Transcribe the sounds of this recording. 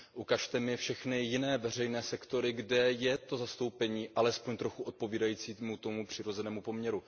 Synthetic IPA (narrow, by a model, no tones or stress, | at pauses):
ʔukaʃt̪ɛmɪfʃɛxnɪjɪnɛːvɛr̝ɛjnɛːsɛkt̪o̞ɾɪɡdɛjɛt̪o̞zast̪o̞wpɛɲiːʔalɛspo̞ɲt̪ɾo̞xuo̞t̪̚po̞viːdajiːt͡siːmut̪o̞mupr̝̥ɪɾo̞zɛnɛːmupo̞mɲɛɾu